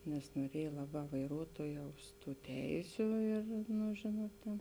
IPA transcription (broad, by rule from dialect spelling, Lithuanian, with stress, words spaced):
nʲɛs noːˈrʲiɛj ˈlˠɑːˌbɑː ʋɐɪˈruɔtuɔjɛʊs ˈtuː ˈtʲɛɪsʲʊ ɪr nʊ ˈʒʲeːnuɔt tʲeːn